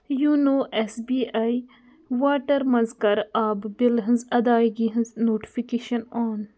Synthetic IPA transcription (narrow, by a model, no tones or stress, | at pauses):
juːnoːʔesbiːʔaːi | ʋaːʈəɾmɐzkɐɾaːbbɪlɦɪ̃nzɐd̪aːjɡiɦɪ̃nznoːʈi̥fikeːʃɐnɔːn